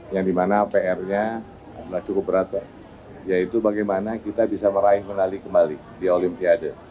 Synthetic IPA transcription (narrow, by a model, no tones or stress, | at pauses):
jaŋdimanapeɛrɲa | adalaht͡ʃukʊp̚bəɾat̪a | jait̪ubaɡajmanakit̪abisaməɾaɪhmənalikəmbali | diolimpiadə